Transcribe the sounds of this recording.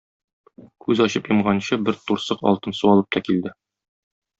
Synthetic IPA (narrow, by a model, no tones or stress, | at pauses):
kʉzɒɕɤpjɤ̆mʁɑnɕɤbɘɾt̪uɾsɤqɒ̰lˠt̪ɤnsuɒlˠɤp̚t̪ʰɒkild̪ɘ